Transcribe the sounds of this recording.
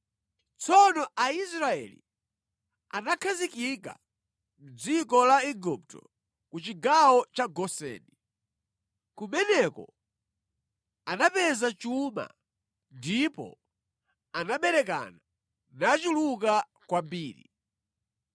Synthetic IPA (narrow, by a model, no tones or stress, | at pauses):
t͡sɔnɔʔais̬ɾaɛ̰lḭ | anakʰazikika̰ | m̩d͡zikɔlaiɡup̚tɔ̰ | kut͡ʃiɡawɔt͡ʃaɡɔsɛ̰ːni | kumɛnɛkɔ̰ | anapɛzat͡ʃuma̰ | ndipɔ̰ | anaɓɛɾɛk̬a̰na | nat͡ʃiluka | kwambiːɾḭ